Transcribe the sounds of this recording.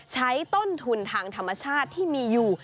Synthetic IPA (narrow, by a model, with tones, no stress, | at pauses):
t͡ɕʰa˦˥jt̪o˥˩nt̪ʰu˧nt̪ʰaː˧ŋt̪ʰa˧mːa˧t͡ɕʰaː˥˩t̪ʰːiː˥˩miː˧juː˨˩